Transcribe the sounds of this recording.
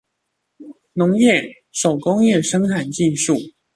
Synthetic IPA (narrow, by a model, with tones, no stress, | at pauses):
nʊ˨˧˥ŋjɛ˥˩ | ʂo˨˩ʊkʊ˥ŋjɛ˥˩ʂɤ˥ŋtʰa˨˩nt͡ɕi˥˧ʂu˥˩